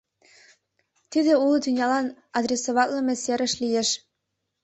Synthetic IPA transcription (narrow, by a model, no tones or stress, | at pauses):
t̪id̪eulˠd̪ynʲjɑlɑn | ɑd̪rʲesoβɑt̪lɤ̆mʲeseɾə̆ʃlijeʃ